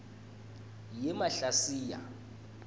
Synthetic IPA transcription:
jɛmaɬasiːja̰

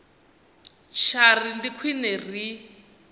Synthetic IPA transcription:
t͡ʃʰarindikʰwinɛr̤i

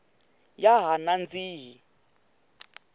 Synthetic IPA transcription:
jaɦanand͡ziːɦi

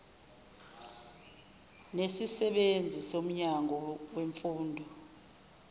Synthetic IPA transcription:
nesisɛɓend͡zʱisom̩ɲaŋɔweɱfuːndʱɔ

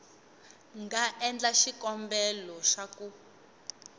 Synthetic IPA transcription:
ŋɡaʔɛnd͡ɮaʃikɔmbɛlɔʃaku

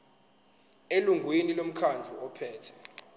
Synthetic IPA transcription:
eluŋɡʱwinilom̩kʰand͡ɮʱuɔpʰɛːtʰɛ̥

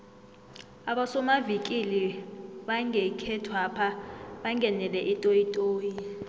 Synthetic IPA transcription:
aɓasɔmavikʼiliɓaŋʱɛkʰɛtʰwapʰaɓaŋɡʱɛnɛlɛʔitʼojitʼoːji

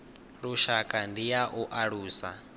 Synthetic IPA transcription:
ɺuʃakʼandijaʔuʔaɺuːsa̰

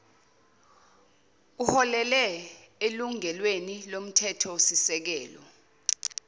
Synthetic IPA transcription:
uhɔlɛlɛ | eluŋɛlwenilom̩tʰɛtʰɔwosisɛk̬ɛːlɔ

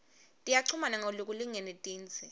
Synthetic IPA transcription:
tʼijaǀʰumanaŋoluk̬ʼuliŋɛnɛtʼiːnt͡sʰʼɛ

